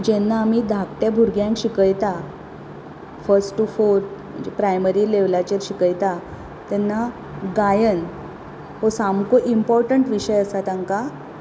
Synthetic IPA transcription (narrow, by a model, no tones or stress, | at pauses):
d͡ʑɛnːaːm̤iːd̪ʱakʈ̪jabʱuɾɡjãŋkɕikəjt̪a | fəɾsʈːufoɾm̤ə̰nd͡ʑepɾajməɾiːleʋlat͡ɕeɾɕikəjt̪a | t̪ɛnːa | ɡajən | hosamkoʔimpɔɾʈəɳʈʋiɕəjəsat̪aŋka